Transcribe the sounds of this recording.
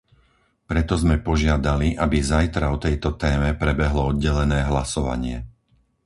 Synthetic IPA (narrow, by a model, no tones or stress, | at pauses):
pɾɛt̪ɔzmɛpɔʒɪad̪aliʔabizajt̪ɾaɔt̪ɛjt̪ɔt̪ɛːmɛpɾɛbɛɦlɔɔd̪̚ɟɛlɛnɛːɦlasɔʋa̰ɲɪɛ̰